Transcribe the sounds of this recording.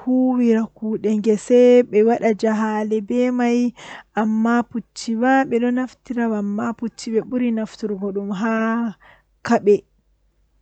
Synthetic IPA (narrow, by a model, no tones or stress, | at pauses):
huwiɾakuːɗɛŋɡɛsɛɓɛwaɗad͡ʒaɦalɛbɛmajʔamːaput͡ʃːiwaɓɛɗɔnaftiɾawamːaput͡ʃːiɓɛɓuɾinaftuɾɡɔɗumɦa | kaɓɛ